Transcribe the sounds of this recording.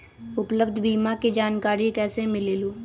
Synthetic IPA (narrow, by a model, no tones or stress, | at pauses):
ʊpləbd̪ʱbiːmakid͡ʒaːnkaːɾikɛːsemɪleːloː